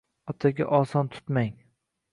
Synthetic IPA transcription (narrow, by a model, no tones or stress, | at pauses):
ɒt̪ʰaɡʲa̰ʔɒsɒnt̪ʰʊ̥t̪maŋ